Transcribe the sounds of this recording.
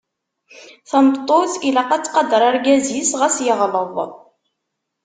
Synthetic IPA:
θɑmt̪ˤːoθilæqæt͡sːqɑd̪ɑɾˤaɾɡæzisʁəsjəʁləðˤ

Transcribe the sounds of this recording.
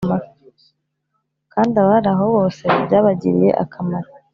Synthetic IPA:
maɾ | kaːndiaβaɾaɦo̞βo̞ːse̞bjaːβaɟiɾḭje̞̰ʔa̰kʰamaɾa

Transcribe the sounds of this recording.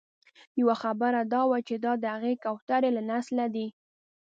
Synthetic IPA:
jawaxabəɾad̪ɑwat͡ʃed̪ɑd̪əhaɣekawt̪aɾelanaslad̪i

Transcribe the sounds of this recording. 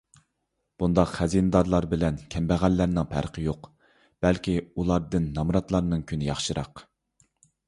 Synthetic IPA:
b̥und̪ɑqχæzinɨd̪ɑɾlˠɑɾbɪlɛnkʲʰɛmbæʁælːæɾnɪŋpʰæ̰ɾqʰəjoq | b̥ɛlkʲiulˠɑɾd̪ɨnːɑmɾɑt̪lˠɑɾnɨŋkʲʰynɪjɑχʃɨɾɑ̰q

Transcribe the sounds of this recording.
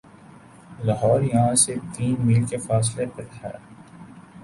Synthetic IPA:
laɦɔːɾjɐɦãset̪iːnmiːlkefaːs̬lepeɾɛ̰ː

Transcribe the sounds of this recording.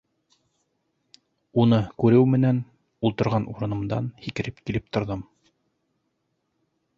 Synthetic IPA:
unɤkʉɾɘwmɘ̆næn | ulˠt̪ɤ̆ɾʁɑnʔuɾɤ̆nɤ̆md̪ɑ̰nhikɘ̆ɾɘpkilɘp̚t̪ŏɾðɤm

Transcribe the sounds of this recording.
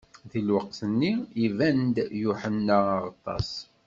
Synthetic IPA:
ðilwəqθənːiivænd̪jʊħənːaʁɑt̪ˤːɑ̰s

